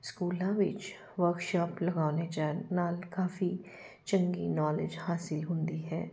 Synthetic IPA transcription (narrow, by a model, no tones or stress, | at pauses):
skuːlãːʋɪt͡ʃ | ʋəɾkʃaːpləɡaːnet͡ʃɛːnaːlkaːfi | t͡ʃə̃ŋɡinɔːlɪd͡ʒhaːsɪlɦʊ̃nd̪iɦɛː